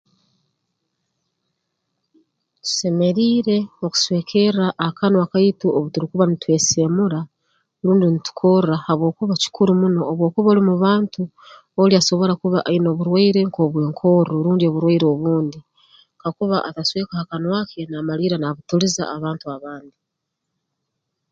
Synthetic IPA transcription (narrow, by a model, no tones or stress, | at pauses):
tu̥se̞me̞ɾiːɾe̞oku̥swe̞ːkʰe̞ɾaʔːhakanwakaituoβutuɾikuβanitwe̞ːsemuɾa | ɾuːndinitu̥kʰorahaβwo̞ːkuβaci̥kʰuɾumuno̞ːβwo̞ːkuβolimuβaːntu | oliaso̞βo̞ɾakuβaʔaino̞ːβuɾwaiɾe̞ŋko̞ːβwe̞ːŋkʰo̞ɾoɾuːndio̞βuɾwaiɾeoβuːndi | ŋkakuβa̰ʔataswe̞ːkahakanwakʰe̞namaliːɾanaβutuliza̰ːβaːntuaβaːndi